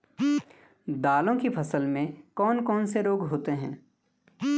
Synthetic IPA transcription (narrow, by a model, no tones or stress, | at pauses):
d̪aːlõkipʰɐsəlmẽkɔːnkɔːnseɾoːɡɦoːt̪eɦɛ̃ː